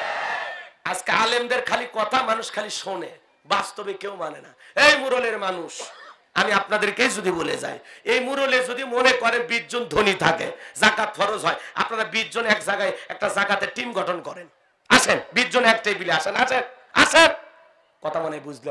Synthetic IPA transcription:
ad͡ʑkealemd̪eɾkʰalikɔt̪ʰamanuʃkʰaliʃone | bast̪obekewmanena̰ejmuɾoleɾmanuʃ | a̰miapnad̪eɾkejd͡ʑod̪ibolḛd͡ʑa̰jejmuɾoled͡ʑod̪imonekɔɾebid͡ʑd͡ʑond̪ʱonit̪ʰakḛd͡ʑakat̪̚fʰɔɾozʱɦɔea̰pnaɾabid͡ʑonɛkd͡ʑaɡajɛk̚ʈazakat̪eʈimɡʱɔʈʰonkɔɾen | a̰ʃenbid͡ʑd͡ʑonɛkʈajbileaʃenaʃen | a̰ʃen | kɔt̪ʰamɔnebud͡ʑʱle

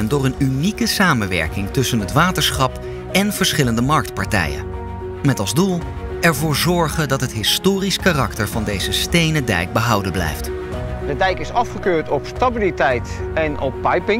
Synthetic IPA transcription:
ndʊːɹənynikəsaːmənʋɛ̰ɹkɪŋtɵsənɦətʋaːtəɹsχɑp | ɛnv̥əɹsχɪləndəmɑɹk̚tpɑɹtɛ̰jə̰n | mɛtɑlˠzdulˠ | ɛɹvʊːɹzɔɹχəndɑtɦətɦɪstoːriskarɑktəɹvɑndejzəstejnədɛ̰jɡ̚bəɦɑwdənblɛ̰jft | dədɛjkɪsɑfχəkøːɹtɔpstabilitɛjtɛnɔpːɑjpɪŋ

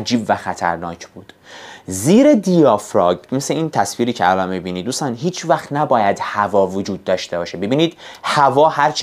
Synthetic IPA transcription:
d͡ʒiːbvæxæt̪ʰæ̰ɾnɒːcʰb̥uːd̪̥ziːɾed̪ijɒfɾɒːɡmeseiːnt̪ʰæsfiːɾiːcʰeælɒnmibiːniːd̪d̪uːst̪ɒnɦiːt͡ʃʰvæxt̪næbɒːjæd̪hævɒːvod͡ʒuːd̪̚ːɒːʃt̪e̞bɒːʃebe̞biːniːd̪̥hævɒːhæɾt͡ʃʰ

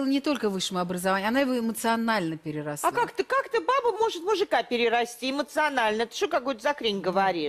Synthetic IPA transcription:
lˠənʲɪt̪o̞lʲkəvɨʂːəmʊɐbɾəzɐvanʲːɐnajɪvo̞ɪmət̪sɨɐnalʲnəpʲɪɾʲɪrɐsakakt̪əkakt̪əbabəmo̞ʐɨt̪mʊʐɨkapʲɪɾʲɪɾɐsʲtʲiɪmət̪sɨɐnalʲnəɛt̪ə̥ʂokakojt̪əzɐkɾʲinʲɡəvɐɾʲiʂ

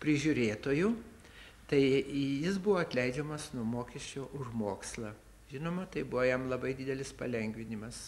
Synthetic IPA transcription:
pʲɾʲɪʒʲʊɾʲeːt̪oːjʊ | t̪ɐɪjɪsbʊʋoːɐt̪ʲlʲɛɪd͡ʒʲɛmɐsnuɔmoːkʲɛʃʲt͡ʃʲoːʔʊʒmoːkslˠɐ | ʒʲɪnoːmɐt̪ɐɪbʊʋojɛmlˠɐbɐɪd̪ʲɪd̪ʲɛlʲɪspɐ̰lʲɛŋʲɡʲʋʲɪnʲɪmɐs

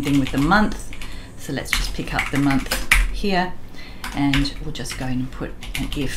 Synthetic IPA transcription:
θɪ̃ŋwɨðəmʌ̃nθ | səʊlɨ̰tsd̥ʒ̥ʌspʰɪkʰʌ̰p̚ðɨmʌ̃nθhiəɹ | ʔɨə̃nwɪlˠd͡ʒʌsɡ̥oʊɪ̃nə̃npʰʊɾ | ɨ̃nɡɪv̥

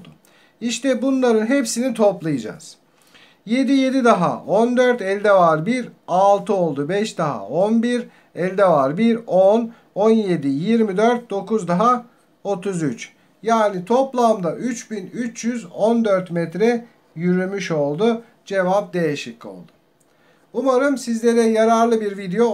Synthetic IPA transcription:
d̪ʊ | iʃt̪ɛbunlˠaɾɯnɦepsinit̪ʰo̞plˠajɯd͡ʒa̰z̥ | je̞d̪ije̞d̪id̪aɦa̰ʔond̪øɾt̪ɛlʲd̪ɛvaɾbiɾalˠt̪ʰɯo̞lˠd̪ubɛʃd̪aɦa̰onbiɾ | ɛlʲd̪ɛvaɾbiɾon | onje̞d̪ijiɾmid̪øɾt̪̚d̪o̞kuzd̪aɦa | o̞t̪ʰuzyt͡ʃ | jaːnit̪ʰo̞plˠamd̪aʔyt͡ʃbinyt͡ʃjyzond̪øɾt̪mɛt̪ɾɛ | jyɾymyʃo̞lˠd̪u | d͡ʒe̞vap̚d̪ejeʃiko̰lˠd̪ʊ̥ | umaɾɯmsizlʲe̞ɾɛjaɾaɾlˠɯbiɾvid̪ejo

